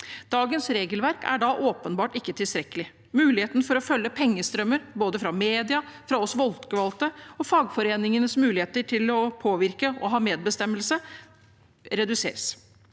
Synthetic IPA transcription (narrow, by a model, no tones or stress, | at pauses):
d̪̥ɑːɡənsɾeːɡəlʋæɾkʰæ̰ɖɑʔoːpənbɑːʈɪkːət̪ʰɪlst̪ɾɛkːəlɪ | mʉːlɪheːt̪n̩fɔɾɔfœlːəpʰɛŋːəst̪ɾœməɾboːd̪əfɾɑmeːd̪ɪɑfɾɑɔsʋɔlt̪kʋɑlt̪əɔfɑːɡfɔɾeːnɪŋənəsmʉːlɪheːt̪əʈʰɪlɔpʰoːʋɪɾkəɔɦɑːmeːd̪̚bəst̪ɛməlsə | ɾɛd̪ʉsḛːɾs